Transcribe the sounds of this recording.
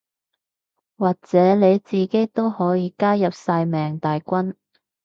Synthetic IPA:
waː˨k̚t͡sɛː˨˥ne˨˧jt͡siː˨ke˥jt̪o˥whɔː˨˥jiː˨˧kaː˥jɐ˨p̚saː˧jmɛː˨˩ŋt̪aː˨jkʷɐ˥n

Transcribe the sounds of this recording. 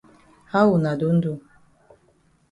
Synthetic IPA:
ha˦wu˨na˨du˦n̩˦du˦˨

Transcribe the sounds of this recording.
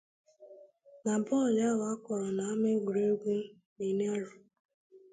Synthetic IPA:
na˨bɔ˦˨lja˦ɣa˦kʷɔ˨ɾɔ˨na˨a˦me˦ɡu˨ɾo˦ɡu˦ | mi˨ne˦a˦ɾʊ˨

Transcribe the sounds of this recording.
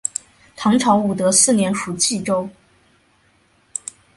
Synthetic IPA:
t̪ʰɑ˧˥ŋʈ͡ʂʰɑ˧˥ʊu˨˩t̪ɤ˧˥sɹ̩˥˩njɛ˧˥nʂu˨˩t͡ɕi˥˩ʈ͡ʂo˥ʊ

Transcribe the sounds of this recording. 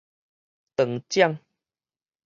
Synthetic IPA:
t̪ə˨˩ŋt͡ɕja˥˧ŋ

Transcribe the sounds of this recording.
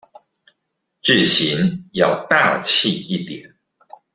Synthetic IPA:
ʈ͡ʂɻ̩˥˩ɕi˧˥njɑ˥˧ʊt̪a˥˧t͡ɕʰi˥˧i˥˩t̪jɛ̰˨˩˦n

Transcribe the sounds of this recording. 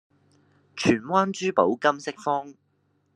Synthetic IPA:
t͡ʃʰyː˨˩nwaː˥nt͡ʃyː˥po˨˥wkɐ˥msɪ˥k̚fɔː˥ŋ

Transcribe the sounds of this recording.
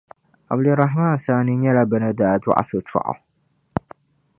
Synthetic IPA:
ʔa̰˨bdʊ˨ɾɑ˨ɦmaː˦n˨saː˦ni˦ɲɛ˦la˦bɨ˨nɨ˦daː˨d͡ʒʊ̰˦ʔa̰˨sʊ˨t͡ʃɔ̰˨ʔa̰˨

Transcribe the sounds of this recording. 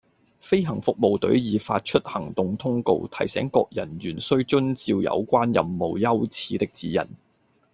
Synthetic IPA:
fe˥jɦɐ˨˩ŋfʊ˨k̚mo˨wt̪ɵ̰˨˥ɥjiː˨˧faː˧t̚t͡ʃʰɵ˥t̚hɐ˨˩ŋt̪ʊ˧ŋt̪ʰʊ˥ŋko̰˧wt̪ʰɐ˨˩jsɛ̰ː˨˥ŋkɔː˧k̚jɐ˨˩nɥyː˨˩nsɵ˥ɥt͡ʃɵ˥nt͡siː˧wjɐ̰˨˧wkʷaː˥njɐ˨mːo˨˩wjɐ˥wt͡sʰiː˨˥t̪ɪ˥k̚t͡siː˨˥jɐ̰˨˩n

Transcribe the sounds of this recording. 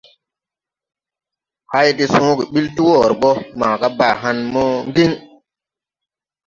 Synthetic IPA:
ha˦jti˦sũ˦ɡi˨ɓi˦lti˦wɔː˨ɾɓɔ˦ma˨ka˦baː˨ɦa˦nmɔ˦ŋɡi˦ŋ

